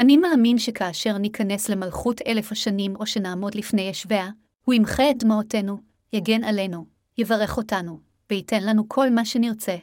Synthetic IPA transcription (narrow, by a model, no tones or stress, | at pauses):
ʔanimaːminʃe̞kʰaːʃe̞ʁnikʰane̞sle̞malχutʰe̞lefhaʃanimo̞ʃenaːmo̞dlifnejeʃve̞a | huimχedmaote̞nu | jaɡe̞nale̞nu | jevaʁe̞χo̞tanu | vehite̞nlanukʰo̞lmaʃeniʁt͡se̞